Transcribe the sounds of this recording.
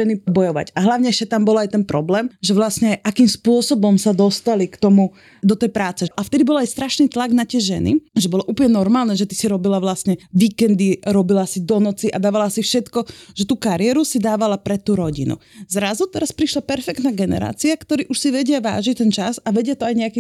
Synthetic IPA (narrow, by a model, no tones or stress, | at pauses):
ɛnibɔjɔʋa̰ɟaɦlaʊɲɛjʃat̪ambɔlajt̪ɛnpɾɔblɛːmʒɛʋlasɲɛjʔakiːmspʊɔsɔbɔmsad̪ɔst̪alikt̪ɔmu | d̪ɔt̪ɛjpɾaːt͡sɛʔaft̪ɛd̪ibɔlajst̪ɾaʃniːt̪laɡnat̪ɪɛʒɛ̰nḭʒɛbɔlɔʔuːplɲɛnɔɾmaːlnɛʒɛt̪i̥siɾɔbilaʋlasɲɛʋiːkɛnd̪iɾɔbilasid̪ɔnɔt͡siʔad̪aːʋalasifʃɛt̪kɔʒ̥ɛt̪uːkaɾɪɛɾusid̪aːʋalapɾɛt̪ːuːɾɔɟḭnṵzɾazut̪ɛɾaspɾiʃlapɛɾfɛk̚t̪naːɡɛnɛ̰ɾa̰ːt͡siakt̪ɔɾiːʔuʃsiʋɛɟɪaʋa̰ːʒic̚t̪ɛnt͡ʃasaʋɛɟɪat̪ɔajɲɛakiː